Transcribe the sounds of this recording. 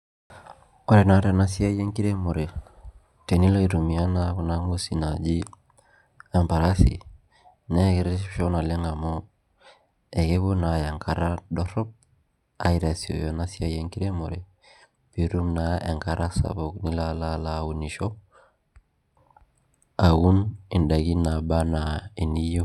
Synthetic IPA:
ɔ˦ɾɛ˨na˨˦ɾɛ˦na˦si˦a˦je˦ŋki˦ɾɛ˦mo˨ɾɛ˨ | te˨ni˦la˦i˨ɾu˨mi˨a˦na˦ku˨na˦ŋu˦si˨na˨d͡ʒi˦ | ɛ˨mpa˨ɾa˦sḭ˨ | nɛ˦ke˨˦ɾe˦ʃɔ˦na˨lɛ˦ŋa˨mɔ˦ | ɛ˨ke˦bo˦na˨ja˨ŋkʰa˨˦ɾa˦dɔ˦ɾɔ˦p̚ | a˨i˨ɾa˨si˨o̰˨jɔ˨na˦si˦a˦˨je˦ŋki˦ɾe˦mɔ̰˨ɾɛ˨ | pi˨ɾu˦mnaḛ˨ŋka˦ɾʔa˦sa̰˨bɔ˨kni˦la˦la˦la˦u˨ni˨ʃɔ˦ | a˨wu˦ni˨nda˨ɡi˦na˨ba˦na˨i˨ni˦jo˦

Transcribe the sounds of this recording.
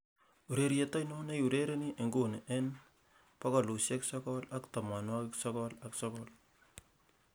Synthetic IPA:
u˨ɾe˨ɾjeta˦jnɔ˦ne˦ju˨ɾeɾe˦ni˦ʔe˨ŋɡo˨neʔɛ˦n | pa˦kɔ˨lu˨se˦ksɔ˦kɔla˦kta˨ma˨nwa˦kɪksɔ˦kɔlaksɔ˦kɔl

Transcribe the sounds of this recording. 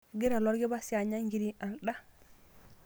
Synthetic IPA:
ɡi˦ɾa˨lo˦ɾɡi˦ba˦si˦a˨ɲa˦ŋɡi˨ɾi˨a˨nɗa˦

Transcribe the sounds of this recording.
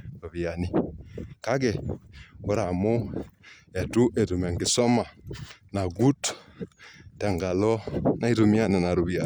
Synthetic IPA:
ɾo˨βi˨a˨ni˦ka˦ɡɛ˨ | o˦ɾa˨mo˦ | e˨tu˦ʔe˨tu˨mɛ˨ŋɡi˨sɔ˦ma˨na˨ɡu˦t | ta˨ŋɡa˨lɔ˦na˦i˦tu˨mi˦a˦˨na˨na˨ɾu˨βi˨a˨

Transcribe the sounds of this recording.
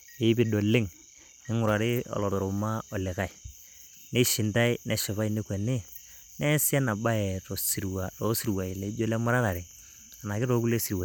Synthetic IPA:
e˦bɪ˨do˨lːɪ˦ŋ | ɪ˦ŋʊ˨ɾa˨ɾɪ˦ɔ̰˨lɔ˨to˨ɾo˨ma˦ɔ˨lɪ˨ka˦˨i˨ | ne˦ʃɪ˨nta˦i˦ne˨ʃi˨βa˦i˦ne˦kwe˨ne˦ | nɛ˦sɪ˦a˦na˨ba˦jɛ˨to˨si˨ɾwa˨ɾo˦si˨ɾwa˨i˨le˨˦d͡ʒo˦le˦ma˦ɾa˦ɾa˨ɾe˨ | a˨na˨kɪ˦ɾo˦ku˦le˦si˨ɾwa˨

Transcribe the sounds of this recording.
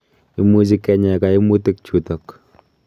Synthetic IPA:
i˦mu˦t͡ʃi˦kɛ˦ɲɛ˨ka˨i˦mu˦tɪ˦k̚t͡ʃu˨tɔ˨k

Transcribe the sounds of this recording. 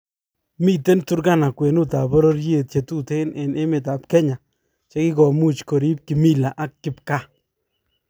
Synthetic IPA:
mi˦te˦ntu˦ɾka˦˨na˨kwe˨nu˦ta˨bɔ˦ɾo˦ɾje˨t̚t͡ʃe˨tu˦te˦nʔɛ˨nʔe˦mɪ˨ta˨pkɛ˦ɲa˨ | t͡ʃe˦ki˦kɔ˨mu˦t͡ʃko˨ɾi˦p̚kɪ˨mi˦la˨ʔa˦kːɪ˦pka˦˨

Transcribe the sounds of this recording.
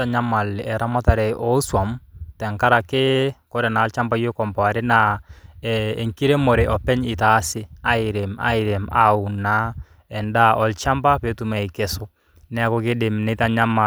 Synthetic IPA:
ta˨ɲa˦ma˨lɛ˨ɾʔa˦ma˦ta˨ɾɛ˨ʔɔ˦swa˨mtɛ˨ŋka˦ɾa˨kɪ˦kɔ˦ɾɛ˨na˨lt͡ʃa˦mba˦jo˦kɔ˨mbɔ˨a˨ɾɪ˦na˨ɛe˨ŋki˦ɾe˦mɔ˨ɾɛ˨ʔɔ˨pɛ˦ɲɪ˨ta˨˦sɪ˦a˨˦ɪ˨ɾe˨ma̰˦ɪ˨ɾɛ˨ma˦u˨na˦ | ɛ˨nda˦ʔɔ˨lt͡ʃa˦mba˦pe˨˦tu˨ma˨i˨kɛ˨sʊ˦ | nɛ˨˦kɔ˦kɪ˦dɪ˨mnɪ˦ta˨ɲa˦ma˨

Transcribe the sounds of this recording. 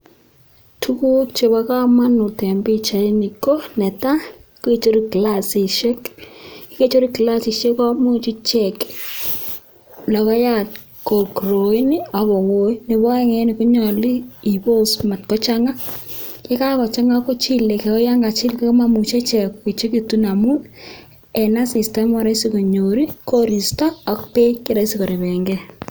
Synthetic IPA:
tʰu˦ku˦kt͡ʃe˨βa˨˦ka˦ma˦nʊ˨tɛ˨mbi˦t͡ʃa˨˦ni˨ko˦nɛ˨ta˦ke˦˨t͡ʃo˦ɾi˦kla˦si˨ʃɛ˦kki˦ke˦t͡ʃo˦ɾi˦kla˦sɪ˨ʃe˦kɔ˦mu˦t͡ʃi˦t͡ʃɛ˨k | la˨ɣa˦ja˦˨t̚ | ko˨kɾo˨i˦ni˦a˨βɔ˨ŋo˦i˦nɪ˨βa˦ɛ˦ŋɛ˦nɪ˨kʊ˦ɲɔ˨li˦i˨bo˦sma˨tkɔ˦t͡ʃa˦ŋa˦ke˦ka˦kɔ˨t͡ʃa˦ŋa˦ko˦t͡ʃi˦le˨kɛ˨kɔ˦ja˦ŋɡa˨t͡ʃɪ˦lke˦kma˦mu˨t͡ʃe˦t͡ʃɛ˨ki˨t͡ʃe˦ki˨tu˦na˨mu˦n | ɛ˨na˦si˨stɛ˦mwa˦ɾa˦i˦si˦ko˨ɲo˨ɾi˦ko˦ɾi˨staː˦˨kpe˦kɪ˦ɾa˦i˦si˦kɔ˨ɾe˨βɛ˨ŋɡɛ˦

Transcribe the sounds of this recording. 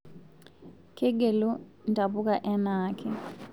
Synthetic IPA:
kʰɛ˦ɡe˨lu˦ntʼa˨ɓu˦k̬ʼa˨ʔɛ˦naːkʰɛ

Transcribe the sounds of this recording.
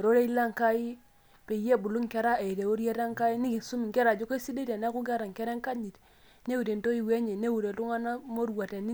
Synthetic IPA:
ɾo˦ɾe˦i˦la˦ŋka˦i˦ | pe˨je˦˨bu˨lu˦ŋke˦ɾa˦e˨i˨de˨o˦ɾje˦ɾa˦ŋ˦ka˦i˦ni˦ki˨su˦mi˨ŋke˦ɾa˨d͡ʒo˦ko˦si˦de˦te˨na˦ku˦ɡe˦ɾa˨ŋke˦ɾe˦ŋ˦ka˦ɲi˨t | ne˦wu˨ɾe˨nto˦i˦˨we˦ɲe˨ne˦wu˨ɾe˨lu˦ŋa˦na˦mo˦ɾwa˨te˨ni˦

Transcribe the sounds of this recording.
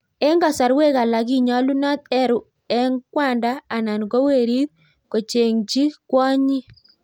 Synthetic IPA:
ɛ˦ŋɡa˨sa˨ɾwe˦ka˨la˨ki˦ɲɔ˦lu˦na˦t̪ɛ˦ɾu˨ | ɛ˦ŋkwa˦˨ndaː˦˨na˨nɡo˦we˦˨ɾi˦ð̚ | ko˨t͡ʃe˨ŋt͡ʃi˦kwɔ˦ɲi˦

